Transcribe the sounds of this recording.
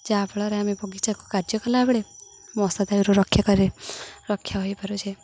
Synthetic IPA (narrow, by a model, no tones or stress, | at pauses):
d͡ʒabɭɔɾeamebɔɡit͡ʃako̥kaɾd͡ʒɔkɔlabɭe | mɔsad̪ajɾoɾɔkʰːjakɔɾiɾeɾɔkʰːjaɦojpɔɾut͡ʃʰe